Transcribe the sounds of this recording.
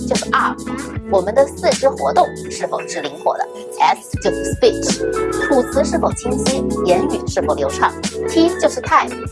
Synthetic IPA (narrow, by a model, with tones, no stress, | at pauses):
t͡ɕjo˥˧ʊʂɻ̩˥˩a˥˩wɔ˨˩mə˧˦nd̪ə˧sɹ̩˥˩ʈ͡ʂɻ̩˥xwɔ̰˧˥t̪ʊ˥˩ŋʂɻ̩˥˩fo˨˩ʊʈ͡ʂɻ̩˥li˧˥ŋxwɔ̰˨˩d̪ə̰˦ | tʰɛ˧˥ | t͡ɕjo˥˧ʊʂ̩˥˩spi˥˩ʈ͡ʂt̪ʰu˨˩t͡sʰɹ̩˧˥ʂɻ̩˥˩fo˨˩ʊt͡ɕʰi˥ŋɕʰi˥jɛ˧˥ny˨˩ʂɻ̩˥˩fo˨˩ʊljo˧˥ʊʈ͡ʂʰɑ˥˩ŋt̪ʰi˥t͡ɕjo˥˧ʊʂɻ̩˥˩t̪ʰa˥˩ɪ˨˩